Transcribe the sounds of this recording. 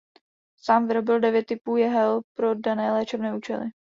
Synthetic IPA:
saːmvɪɾo̞bɪldɛvjɛt̪ːɪpuːjɛɦɛlpɾo̞danɛːlɛːt͡ʃɛbnɛːʔuːt͡ʃɛ̰lɪ̰

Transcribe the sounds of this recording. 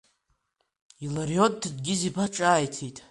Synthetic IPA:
ilarjotʼːdɡʲɪzipʰaʈ͡ʂʼaːjtʰitʼ

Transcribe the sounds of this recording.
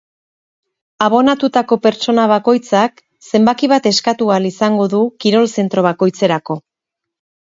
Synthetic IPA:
aβ̞o̞nat̪ut̪ako̞pe̞ɾt͡ʃo̞naβ̞ako̞jt͡sak | se̞mbakiβ̞at̪e̞skat̪ualisaŋɡo̞ðukiɾo̞lse̞nt̪ɾo̞β̞ako̞jt͡se̞ɾako̞

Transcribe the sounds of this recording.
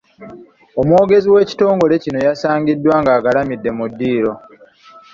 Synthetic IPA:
omwo̞ːɡe̞ziwe̞ːci̥to̞ːŋɡo̞le̞cino̞jasaːŋɡidːwaːŋɡaːɡalamidːe̞mudːiːɾo̞

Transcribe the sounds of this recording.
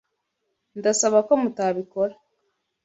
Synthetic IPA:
ndasaβako̞mutaβiko̞ɾa

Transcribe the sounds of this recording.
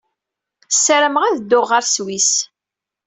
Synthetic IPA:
sːəɾəmʁæðd̪ːʊʁːəɾswis

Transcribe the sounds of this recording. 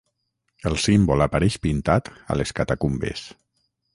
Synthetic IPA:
əlˠsimbolapaɾɛʃpint̪at̪a̰leskat̪akumbḛs

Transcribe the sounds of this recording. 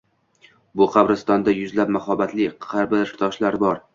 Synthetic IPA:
bʊqʰɑbɾɪst̪ɒnd̪ajʊzlap̚mahɒbat̪lɪɑɾbɪlt̪ʰɒʃlaɾbɒɾ

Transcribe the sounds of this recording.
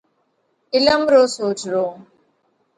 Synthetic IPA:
ɪlɐmɾoːsoːt͡ʃɾoː

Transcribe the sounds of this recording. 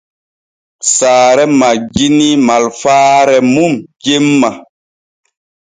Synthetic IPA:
saːɾɛmaɡinimalfaːɾɛmumɟemːa

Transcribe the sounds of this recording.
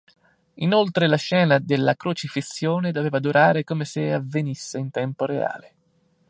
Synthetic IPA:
inolt̪ɾelaʃɛːnad̪elːakɾot͡ʃifisːjoːned̪oveːvad̪uɾʔaːɾekomeseavːenisːeint̪ɛmpoɾea̰ːle

